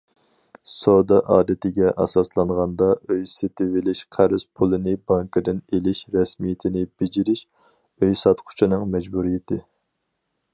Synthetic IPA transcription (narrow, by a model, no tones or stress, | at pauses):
sod̪ɑʔɑːd̪ɨt̪ɪɡʲɛʔɑ̰sɑslˠɑɴʁɑnd̪ɑøjset̪ɪvɪlɪʃqʰæɾz̥pʰulˠɨnɪbɑŋkʰɨd̪ɪnelɪʃɾɛsmijɪt̪ʰɪnɪbed͡ʒiɾɪʃ | øjsɑt̪qʰʊ̥t͡ʃʰinɨŋmɛd͡ʒbuɾijɪt̪ʰɪ